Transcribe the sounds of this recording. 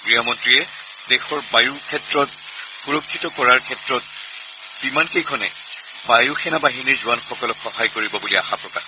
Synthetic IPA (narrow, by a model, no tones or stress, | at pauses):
ɡɹijɔmɔntɹijɛ | dexɔɹbajukʰɛtɹɔt̚ | puɹɔkʰːitɔkɔɹaɹkʰɛtɹɔt̚ | bimankejkʰɔnɛ̰ | bajuxʰɛnabaɦiniɹzʊwanxɔkɔlɔkxɔhajkoɹibɔbulia̰xapɹɔka̰ɹ